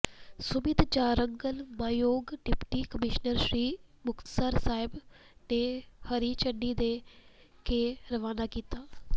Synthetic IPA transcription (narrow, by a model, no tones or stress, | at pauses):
sʊmɪd̪t͡ʃaːɾəŋɡəlmaːjoːɡɖɪpʈiːkəmɪʃnəɾʃɾiːmʊkt̪səɾsaːɪbneːhəɾiːt͡ʃəɳɖiːd̪eː | keːɾəʋaːnaːkiːt̪aː